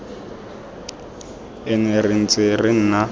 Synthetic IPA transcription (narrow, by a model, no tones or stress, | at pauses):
ɛnɛrɪn̩t͡sʼɪrɪn̩na